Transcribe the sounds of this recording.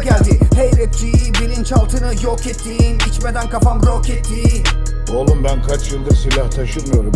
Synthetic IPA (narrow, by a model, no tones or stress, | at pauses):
ɟælʲd̪ihejɾɛt̪̚d͡ʒijibilʲint͡ʃalˠt̪ʰɯnɯjokɛt̪ʰːinit͡ʃmed̪ænkafambɾokɛt̪ʰːi | olˠumbænkʰat͡ʃjɯlˠd̪asilʲaht̪ʰaʃɯnmɯjo̞ɾum